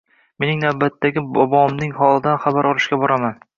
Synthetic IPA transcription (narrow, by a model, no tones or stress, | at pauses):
me̞nɪŋnawbat̪ʰːaɡʲɪbɒbɒmnɪŋhɒlˠɪd̪anχabaɾʔɒlˠɪʃkʲabɒɾaman